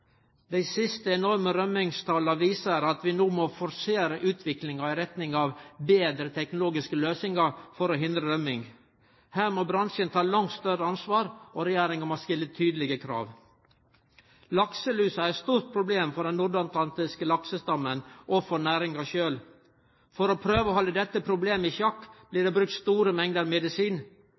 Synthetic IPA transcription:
d̪æɪsɪst̪əɛnɔɾməɾœmɪŋst̪ʰɑːlɑʋiːsəɾɑt̪ʋɪnoːmɔfɔɾseːɾəʔʉːt̪ʰʋɪklɪŋɑɪɾɛt̪nɪŋɑʋbeːd̪ɾət̪ʰɛknʊloːɡɪskəløːsɪŋɑɾfɔɾɔɦɪnd̪ɾəɾœmɪŋ | hæːɾmoːbɾɑnʂənt̪ʰɑːlɑŋt̪st̪œɾəɑnsʋɑːɾɔɾɛjæːɾɪŋənɑst̪ɪlːət̪ʰːyːd̪əlɪɡəkʰɾɑ̰ːʋ | lɑksəlʉːsəæɾɛt̪st̪uːɾt̪̚pʰɾʊbleːmfɔɖɛnːʊɖɑnt̪lɑnt̪ɪskəlɑksəst̪ɑmːənʔɔfɔnæːɾɪŋɑʃøːl | fɔɾɔpʰɾøːʋəɔːhɔlːəd̪ɛt̪ːəpʰɾʊbleːmɪçjɑkːb̥liːɖɛbɾʉk̚t̪st̪uːɾəmɛŋd̪əɾmɛd̪ɪsiːn

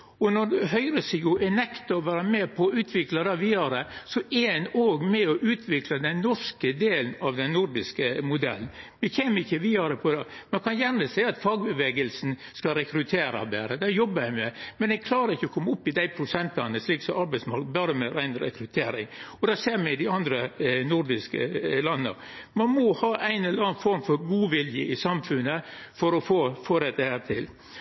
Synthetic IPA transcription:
ɔnɔd̪ɦœʏɾəsɪɡʊʔɛnɛkt̪ɑɔʋæːɾəmɛpʰɔʉːt̪ʰʋɪklɑd̪ɛʋiːɑɾəsɔʔɛɛnoːɡmɛɔʔʉːt̪ʰʋɪklɑd̪ɛnːɔʂkəd̪eːlnɑʋd̪ɛnːʊɾd̪ɪskəmʊd̪ɛ̰lːnʋɪçeːməɪçːəʋiːɑɾəpʰɔd̪ɑmɛkʰɑnjæɾməsæɪɑt̪fɑːɡ̚bəʋeːɡəlsn̩ | skɑɾɛkɾʉt̪ʰeːɾɑ̰bɛ̰ɾəd̪ɛjɔbːəɾæɪmɛmɛnɛɡ̚kʰlɑːɾəɾɪçːəɔkʰɔmːəʊpːɪd̪æɪpʰɾʊsɛnt̪lɑnːəsliːksɔʔɑɾbæɪsmɑɾkt̪bɑɾəmɛɾæɪnɾɛ̰kɾʉt̪ʰeːɾɪ̰ŋɔd̪ɛseːɾmɛɪd̪ɪɑnd̪ɾənʊɾd̪ɪskə̰lɑnːə̰ | mɑnmɔhɑːʔæɪnɛllɑːnfɔɾmfɔɾɡuːʋɪljə̰ʔɪsɑmfʉnːəfɔɾɔfoːfoːɾɛt̪ːəhæːɾt̪ʰɪl

